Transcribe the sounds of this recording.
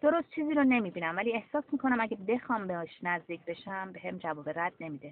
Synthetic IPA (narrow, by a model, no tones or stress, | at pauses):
d̪̥o̞ɾost̪̚t͡ʃʰiːziːɾone̞miːbiːnæmvæliːe̞hsɒːsmiːkʰo̞næmæɟæbe̞xɒːmbeɒʃnæzd̪iːcʰʲbe̞ʃæmbeɦemd͡ʒævɒːbeɾæd̪̥ne̞miːd̪e